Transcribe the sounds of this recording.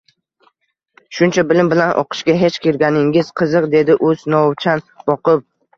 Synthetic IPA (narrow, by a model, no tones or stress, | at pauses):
ʃʊnt͡ʃʰabɪlɪmbɪlanʔɒ̰qʰɨ̥ʃɡʲaɦe̞t͡ʃkʲeɾɡʲanɪŋɪz̥qʰɨzɨqd̪e̞d̪ɪʔɵz̥nɒwt͡ʃʰan | b̥ɒqɨp̚